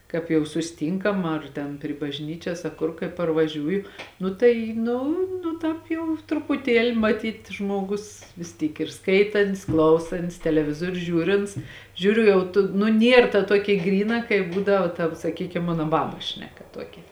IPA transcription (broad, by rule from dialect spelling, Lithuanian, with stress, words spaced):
ˈkɑːp jɛʊ sʊsʲɪˈtʲiːŋkɐm ɐr ˈtʲɛn pʲrʲɪ bɐʒʲˈnʲiːt͡ʃʲɛs ɐ kʊr kɐɪ pɐrʋɐˈʒʲuːjʊ ˈnʊ tɐɪ ˈnʊ nʊ ˈtɑːp jɛʊ trʊpʊˈtʲiɛlʲɪ mɐˈtʲiːtʲ ˈʒmuɔˌɡʊs ʋʲɪs ˈtʲiːk ɪr ˈskɐɪtɐnʲtʲsʲ ˈklˠɐʊsɐnʲtʲsʲ tʲɛlʲɛˈʋʲɪzuɔrʲʊ ˈʒʲuːrʲɪnts ˈʒʲuːrʲʊ ˈjɛʊ tʊ nʊ ˈnʲiɛr tɐ ˈtuɔkʲɛ ˈɡrʲiːˌnɐ kɐɪ ˈbuːdɐʋɐ tɐw sɐˈkʲiːkʲɪm ˈmɑːnoː ˈbɑːbɐs ˈʃʲnʲæːˌkɐ ˈtuɔkʲɛ